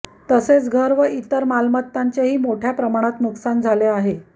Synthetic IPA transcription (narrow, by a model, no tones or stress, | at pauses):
t̪əset͡sɡʱəɾʋəʔit̪əɾmalmət̪ːaɲt͡ɕeɦiːmoʈʰjapɾəmaɽ̃at̪nuksand͡zʱaleaɦe